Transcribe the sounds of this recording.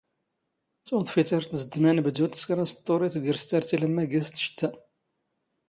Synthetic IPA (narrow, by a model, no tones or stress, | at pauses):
t͡sːwoðˤfit̪aɾt̪zəd̪mænbd̪ut̪ːə̥skɾæst̪ˤːoɾˤit̪ɡəɾst̪æɾt̪iləmːæɡæst̪ːʃə̥t̪ːæ